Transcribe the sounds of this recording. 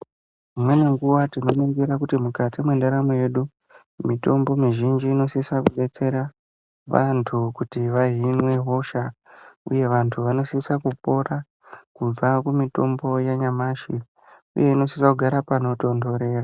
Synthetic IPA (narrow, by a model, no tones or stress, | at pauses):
imwe̞ne̞ŋɡuʋatino̞muŋɡiɾakutimukatimwendaɾamoje̞ɗu | mito̞mbo̞miʒind͡ʒiːno̞sisakuɓe̞t͡se̞ɾa | ʋa̰ntʰukutiʋaɦinwe̞ɦo̞ʃa | ṵje̞ʋantʰuʋano̞sisakupo̞ɾa | kub͡vakumito̞mbo̞jaɲamaʃi | ṵje̞ino̞sisakuɡʱaɾapano̞to̞ndoɾe̞ːra